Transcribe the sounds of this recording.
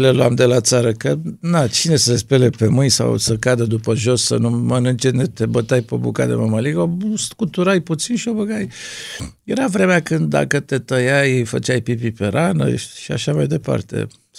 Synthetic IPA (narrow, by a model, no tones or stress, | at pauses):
le̞luamd̪e̞lat̪saɾəkənat͡ʃine̞səespe̞lepe̞mɨnʲsa̰wsəkad̪əd̪upəʒo̞sːə̰numənɨnt͡ʃenet̪e̞bət̪ajpobṵka̰d̪ḛməməliɡoskut̪uɾajput̪sinʃio̞bəɡaj | je̞ɾavɾe̞meakɨnd̪d̪ːa̰kət̪e̞t̪əjajejfə̰t͡ʃajpipipe̞ɾʔanə̰ʃia̰ʃamajd̪e̞pa̰rt̪e̞̰